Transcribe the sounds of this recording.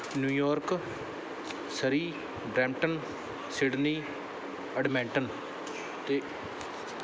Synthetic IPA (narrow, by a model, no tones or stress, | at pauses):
njuːjɔːɾk | səɾiː | ɖɾɛ̃ːmʈən | sɪɖniː | əɖmɛ̃ːɳʈən | t̪eː